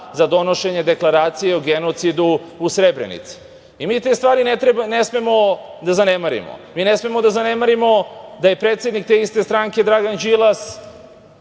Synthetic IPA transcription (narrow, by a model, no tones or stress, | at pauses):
zad̪o̞no̞ʃe̞ɲe̞d̪e̞klˠaɾaːt̪sije̞uɡenot̪sid̪uusɾebɾḛnḭt̪si̥ | imiːt̪e̞ːst̪vʋaːɾinet̪ɾebanesmemo̞d̪azanemaɾḭmo̰miːnesme̞mo̞d̪azane̞maɾimo̞d̪aje̞pɾet̪sje̞d̪nik̚t̪eist̪e̞st̪ɾaŋke̞d̪ɾaɡand͡ʒilˠas